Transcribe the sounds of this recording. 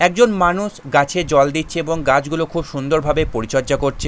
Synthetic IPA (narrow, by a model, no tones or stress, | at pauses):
ɛk̚d͡ʑonmanuʃɡat͡ɕʰed͡ʑɔld̪it̪ːt͡ɕʰeeboŋɡat͡ɕɡulokʰubʃund̪oɾbʱabepoɾit͡ɕɔɾd͡ʑakoɾt͡ɕʰe